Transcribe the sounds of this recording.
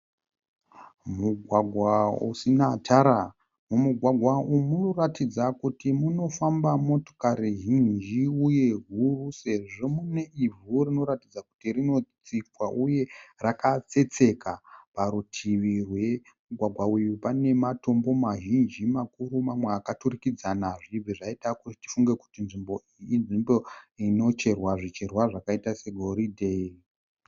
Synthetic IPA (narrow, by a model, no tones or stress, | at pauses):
muɡʱwaɡʱwaṵsinatʰaɾa | mumuɡʱwaɡʱwaumuno̞ratid͡zakutimuno̞fambamo̞to̥kaɾiʒind͡ʒiuje̞ɦuruse̞ʐo̞mune̞ivurino̞ɾatid͡zaku̥tirino̞t͡sikwaʔuje̞rakat͡se̞t͡se̞kapaɾutʰiʋirwe̞ | muɡʱwaɡʱwaujupane̞mato̞mbo̞maʒind͡ʒimakuɾumamweakaturikid͡zanaʐiʐiʐaitakuiti̥fuŋɡe̞ku̥tinʐimbo̞iinʐimbo̞ino̞t͡ʃe̞rwaʐit͡ʃe̞rwaʐakaitase̞ɡʱo̞ɾidʱe̞i